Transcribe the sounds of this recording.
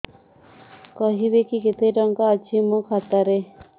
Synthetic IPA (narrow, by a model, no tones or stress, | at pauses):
kɔɦibekiket̪ejʈɔŋkaːt͡ʃʰimũkʰat̪aɾe